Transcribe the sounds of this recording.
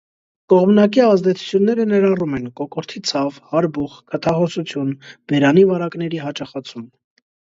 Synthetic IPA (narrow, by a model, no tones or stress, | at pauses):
kɔʁmnɑkiɑzd̪ɛt͡sʰu̥t͡sʰjunːɛɾənɛɾɑrumɛnkɔkɔɾt̪ʰit͡sʰɑvhɑɾbuχkʰət̪ʰɑχɔsut͡sʰjunb̥ɛɾɑnivɑɾɑknɛɾiɦɑt͡ʃɑχɑt͡sʰum